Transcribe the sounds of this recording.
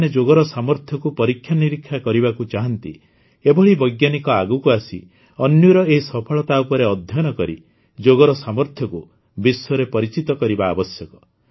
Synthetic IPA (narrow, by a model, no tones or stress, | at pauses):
ned͡ʒoɡɔɾɔsamɔɾt̪ʰjɔkupɔɾikʰːjaniɾikʰːjakɔɾibakut͡ʃaɦɔnt̪ḭ | ebɔɭibɔjɡjanikɔaɡukuasḭ | ɔnjɔɾɔeɦisɔpʰɔɭɔt̪aupɔɾeɔd̪ʱjɔnɔkɔɾḭ | d͡ʒoɡɔɾɔsamɔɾt̪ʰjɔku | biswɔɾepɔɾit͡ʃit̪ɔkɔɾibaːbɔsjɔkɔ